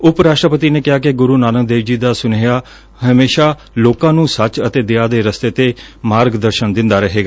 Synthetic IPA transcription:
ʊpɾaːʃʈɾəpət̪iːneːkɪɦaːk̬ɪɡʊɾuːnaːnənd̪eːʋd͡ʒiːd̪aːsʊneaː | ɦəmeːʃaː | loːkãːnũːsət͡ʃət̪eːd̪ɪaːd̪eːɾəst̪eːt̪eːmaːɾɡd̪əɾʃənd̪ɪnd̪aːɾəɦeːɡaː

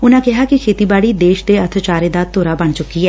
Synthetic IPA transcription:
ʊnãːkɪɦaːkikʰeːt̪iːbaːɽiːd̪eːʃd̪eət̪ʰt͡ʃaːɾeːd̪aːt̪oːɾaːbəɳt͡ʃʊkːiɦɛː

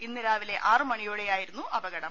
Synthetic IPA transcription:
inːiɾaːʋile̞ʔaːrɨmɐɳijoːɽejaːjiɾunːuʔɐbɐɣɐɽɐ

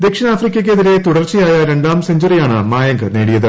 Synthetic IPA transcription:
d̪ekʂɐnaːfrikʲːɐk̬ʲːeðiɾe̞t̪uɽɐrt͡ɕːijaːjɐɾe̞ɳɖaːmseɲd͡ʑurijaːɳɨmaːjɐŋɡɨneːɽijɐðɨ

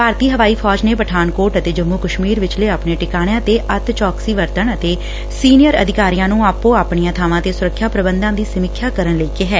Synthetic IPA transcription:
paːɾt̪iːɦəʋaːiːpʰɔːd͡ʒneːpəʈʰaːnkoːɾʈət̪eːd͡ʒəmːuːkəʃmiːɾʋɪt͡ʃleːaːpɳeːʈɪkaːɽ̃jãːt̪eːʔət̪t͡ʃɔːksiːʋəɾt̪əɳət̪eː | siːnɪjəɾə̰d̪ʱɪkaːɾijãːnũːaːpːõːaːpɳɪjãːt̪ʰaːʋãːt̪eːsʊɾəkʰːjaːpɾəbənd̪ãːd̪iːsəmɪkʰːjaːkəɾəɳləiːkeːɦɛː

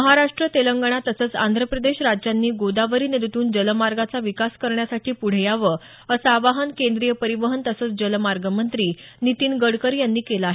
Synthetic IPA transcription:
məɦaɾaʂʈɾət̪eləŋɡəɳ̃at̪əsəːt͡sa̰nd̪ʱɾəpɾəd̪eɕɾad͡ʑanːiːɡod̪aʋəɾiːneɾit̪uːnd͡ʑələmaɾɡat͡saʋikaskəɾɳjasaʈʰiːpuɽ̤jaʋə | əsaːʋaɦənkend̪ɾijəpəɾiʋəɦənt̪əsəːt͡sd͡ʑələmaɾɡəmənt̪ɾiːnit̪iːnɡəɽkəɾjanːiːkelaaɦe

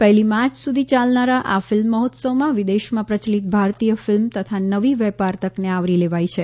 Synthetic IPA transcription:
pɛɦlimaɾt͡ʃʰsud̪ʱit͡ʃalnaɾaʔafɪlmːəɦɔt̪səʋmãʋɪd̪eʃmãpɾət͡ʃlit̪̚bʱaɾt̪ijəfɪlmt̪ət̪ʰanəʋiʋɛpaɾt̪əkneaʋɾileʋajt͡ʃʰe

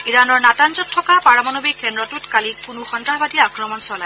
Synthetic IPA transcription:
iɹanɔɹnatanzɔtʰːɔkapaɹamɔnobikɛndɹɔtutkalipunuxɔndaɦbadijaakɹɔmɔnsɔlaj

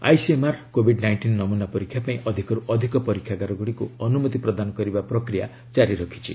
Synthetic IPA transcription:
a̰jsemaɾkobʱiɖnajɳʈinːɔmunapɔɾikʰːjapaĩʔɔd̪ʱikɔɾuʔɔd̪ʱikɔpɔɾikʰjaɡaɾɔɡuɽikuɔnumɔt̪ipɾɔd̪anɔkɔɾibapɾɔkɾija | t͡ʃaɾiɾɔkʰi̥t͡ʃʰḭ

